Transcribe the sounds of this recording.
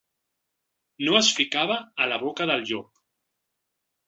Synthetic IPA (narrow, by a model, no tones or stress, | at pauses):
noəsfikaβaːlaβokaðəlʎɔk